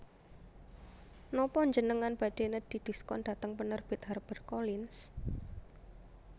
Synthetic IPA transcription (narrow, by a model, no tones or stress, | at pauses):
nɔpɔɲd͡ʒənəŋanb̥ad̥e̤ned̪̥i̤d̥i̤skɔnd̥a̤t̪əŋpənərb̥ɪt̪̚harb̥ə̤rkolɪns